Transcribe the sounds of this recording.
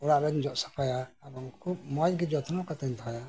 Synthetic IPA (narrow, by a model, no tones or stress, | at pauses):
ɔɽabɛnd͡ʒɔʔsḁkʰɔjaabɔŋkʰub̚mɔjɡid͡ʒɔt̪ʰnɔkat̪ɛnt̪ʰɔja